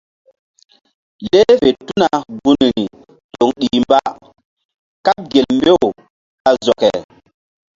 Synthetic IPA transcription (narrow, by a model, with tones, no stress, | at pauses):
le˦ve˨tu˦na˨ɡu˦ni˨ŋi˨ | to˨ŋɗi˨mba˦ | ka˦t̚ɡe˨lmbe˦o˨ | a˨zɔ˨kɛ̰˨